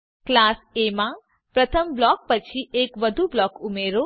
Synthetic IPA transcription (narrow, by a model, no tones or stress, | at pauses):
klasemã | pɾət̪ʰəmblɔk̚pət͡ʃʰiekʋəd̪ʱublɔkumeɾo